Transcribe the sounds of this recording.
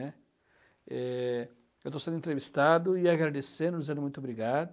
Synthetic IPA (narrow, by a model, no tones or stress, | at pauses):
ɛ | ɛ | ewt̪osẽnd̪ʊẽnt̪ɾevist̪ad̪ʊiaɡɾad̪esẽd̪ʊd͡ʒizẽd̪mũt̪obɾiɡad̪